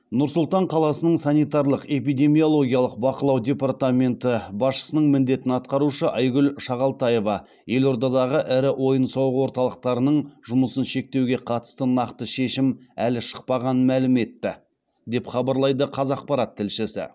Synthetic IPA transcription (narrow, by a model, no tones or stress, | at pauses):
nʊɾsʊlˠt̪ɑɴqʰɑlˠɑsənəɴsɑnijt̪ɑɾlˠəqe̞p̬ijd̪ʲe̞mijo̞lˠo̞ɡʲijɑlˠəq̚bɑqəlˠɑwd̪ʲe̞pɑrt̪amʲe̞nt̪əbɑsʃə̥sənəɴmɪnd̪e̞t̪ɪnɑt̪̚qɑɾuʃəʔɑjɡʲʏlʃɑʁɑlˠt̪ɑje̞vɑ | je̞lo̞ɾd̪ɑd̪ɑʁəʔɪɾɪwo̞jənsɑwʁəwo̞ɾt̪ɑlˠəq̚t̪ɑɾənəɴʒʊməsənʃe̞k̚t̪ewɡʲe̞qʰɑt̪ə̥st̪ənɑqt̪əʃe̞ʃɪmælɪʃə̥q̚pɑʁɑnənmælɪme̞t̪ːɪ | d̪e̞pχɑbɑɾlˠɑjd̪əqʰɑzɑq̚pɑɾɑt̪ʰːɪlʃɪsɪ̰